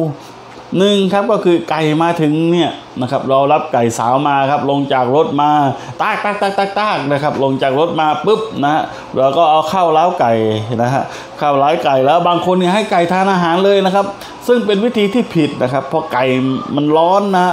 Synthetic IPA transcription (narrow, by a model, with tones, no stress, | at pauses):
nɯ˨˧ŋkʰa˦˥p̚kɔː˥˩kʰɯː˧ka˨˩jmaː˧t̪ʰɯ˨˩˦ŋni˥˩ɐ | na˦˥kʰa˦˥p̚ɾɔː˧ɾa˦˥p̚ka˨˩jsaː˩˦wmaː˧kʰa˦˥p̚lo˧ŋt͡ɕaː˨˩k̚ɾo˦˥t̪̚maː˧t̪aː˧˥˩k̚t̪aː˧˩k̚t̪aː˧˩k̚t̪aː˧˩k̚t̪aː˧˥˩k̚na˦˥˩kʰa˦˥p̚lo˧ŋt͡ɕaː˨˩k̚ɾo˦˥t̪̚maː˧pɯ˦˥˩p̚na˦˥ha̰˧˥ʔ | luː˨˦kɔː˥˩ʔa˧wkʰa˥˩wlaː˦˥wka˨˩jna˦˥ɦa˧˥ʔ | kʰa˥˩wlaː˨˦˥jka˨˩jlɛː˦˥wbaː˧ŋkʰo˧nːi˥˩ɦa˥˩jka˨˩jt̪ʰaː˧nʔaː˧ɦaː˨˩˦nlɤː˧jna˦˥kʰa˦˥p̚ | sɯ˥˩ŋpe˧nwi˦˥t̪ʰiː˧t̪ʰiː˥˩pʰi˨˩t̪̚na˦˥kʰa˦˥pʰːɔ˧ka˨˩jma˧nlɔː˦˥nːa˦˥ha˧˥